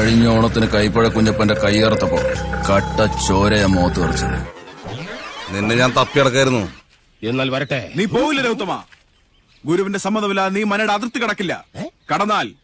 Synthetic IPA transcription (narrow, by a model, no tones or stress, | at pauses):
ɐɻiɲːoːɳɐt̪ːinɨkɐjpːoɻekːuɲːɐpːondekɐjɣɐrɐt̪ːɐpːo̰ːkɐʈːɐt͡ɕoːɾɐjɐmːoːt̪ːɨɐrit͡ɕːɐnːɨ | ninːe̞ɲaːnt̪ɐpːiɐɽɐk̬ːaːjiɾunːu | enːaːlʋɐɾɐʈːeniːpo̞ːʋilːɐɾeut̪ːɐma̰ː | ɡuɾuʋɐnde̞sɐmːɐnd̪ɐmilaniːmɐnɐɽɐðirt̪ːɨkɐɽɐkːilːɐ̰kɐɽɐnːaːl